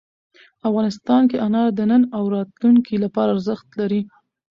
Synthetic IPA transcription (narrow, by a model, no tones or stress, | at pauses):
afɣɑnɪst̪ɑnkeʔanɑɾd̪ənənawɾɑt̪luŋkʰilapɑɾaːɾzəxt̪laɾi